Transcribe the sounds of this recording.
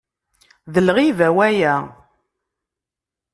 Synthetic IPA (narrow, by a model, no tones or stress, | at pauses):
ðəlʁivæwæjæ